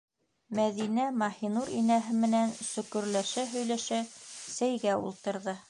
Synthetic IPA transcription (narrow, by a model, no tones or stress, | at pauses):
mæðinæmɑhinuɾinæɦɘmɘ̆nænsɵ̆kɵ̆ɾlæʃæɦɵ̆jlæʃæsæjɡæṵlˠt̪ɤ̆ɾðɤ